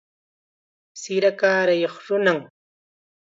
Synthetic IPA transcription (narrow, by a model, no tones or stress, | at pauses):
sɪɾakaːɾajoχɾʊnaŋ